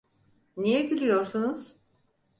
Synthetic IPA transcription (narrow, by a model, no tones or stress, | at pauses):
nijɛɟylʲyjo̞ɾsunuz̥